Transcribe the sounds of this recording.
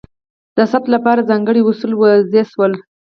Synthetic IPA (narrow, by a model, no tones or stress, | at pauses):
d̪̥əsat̪lapɑɾazɑŋɡəɽiwʊsulwəzeswəl